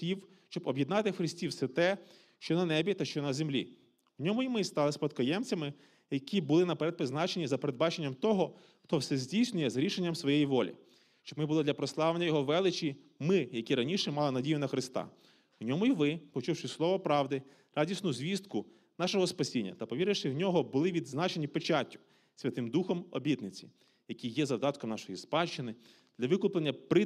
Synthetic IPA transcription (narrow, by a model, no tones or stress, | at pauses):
iw | ʃt͡ʃɔbɔbʲjɛd̪nɑt̪ɪxɾɪsʲtʲiwsɛt̪ɛ | ʃt͡ʃɔnɐnɛbʲit̪ɐʃt͡ʃɔnɐzemlʲḭ | ʊnʲɔmʊimɪst̪ɑlˠɪspɐt̪kɔjɛmt͡sʲɐmɪ | jɐkʲʰibʊlˠɪnɐpeɾɛd̪̚pɪznɑt͡ʃenʲizɐpeɾed̪̚bɑt͡ʃenʲːɐmt̪ɔɦɔ | xt̪ɔwsɛzʲdʲijsʲnʲʊjɛzɾʲiʃenʲːɐmsʋɔjejiʋɔlʲḭ | ʃt͡ʃɔbmɪbʊlˠɔd̪lʲɐpɾɔslˠɑʋlenʲːɐjɔɦɔʋɛlˠɪt͡ʃʲi | mɪjɐkʲiɾɐnʲiʃɛmɑlˠɪnɐdʲijʊnɐxɾɪst̪ɑ̰ | ʊnʲɔmʊiʋɪpɔt͡ʃuwʃɪslˠɔʋɔpɾɑwd̪ɪ | rʔɑdʲisʲnʊzʲʋʲist̪kʊ | nɑʃɔɦɔspɐsʲinʲːɐ̰t̪ɐpɔʋʲiɾɪʃɪwnʲɔɦɔbʊlˠɪʋʲid̪znɑt͡ʃenʲipet͡ʃatʲːʊ̥ | sʲʋʲɐt̪ɪmd̪uxɔmɔbʲit̪nɪt͡sʲi̥ | jɐkʲijjɛzɐwd̪ɑt̪kɔmnɑʃɔjispɑʃt͡ʃɪnɪ | d̪̥lʲɐʋɪkʊplˠenʲːɐpɾɪ